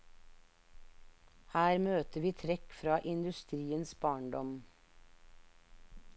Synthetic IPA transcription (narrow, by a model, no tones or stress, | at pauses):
hæːɾmøːt̪əʋiːt̪ʰɾɛkfɾɑːʔɪnd̪ʉst̪ɾiːənsbɑːɳɖɔm